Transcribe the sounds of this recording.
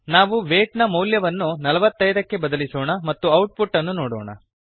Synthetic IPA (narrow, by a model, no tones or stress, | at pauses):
naːʋuʋeːʈnɐmɐwljɐʋɐnːunɐlɐʋɐt̪ːɐjd̪ɐkːe̞bɐd̪ɐlisoːɳɐmɐt̪ːuɐwʈ̚puʈːɐnːunoːɽo̰ːɳɐ̰